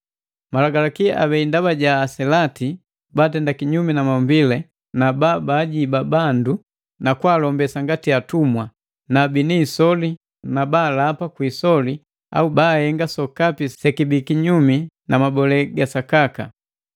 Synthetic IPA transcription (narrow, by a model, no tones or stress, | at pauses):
malaɡalakiaʔaβɛindaβaɟaːsɛlati | baːtɛndakiɲuminamambilɛ | nababaːɟibabandu | nakwalɔmbɛsaŋɡatiatumwa | nabinisɔli | nabaːlapakwiːsɔli | a̰ubaːhɛŋɡasɔkapisɛkibikiɲumi | namabɔlɛɡasakaka